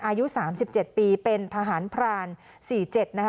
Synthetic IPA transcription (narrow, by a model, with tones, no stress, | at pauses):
ʔaː˧ju˦˥saː˩˦msi˨˩p̚t͡ɕe˨˩t̪̚piː˧pe˧nt̪ʰa˧ɦaː˩˦npʰɾaː˧n | siː˨˩t͡ɕe˨˩t̪̚na˦˥k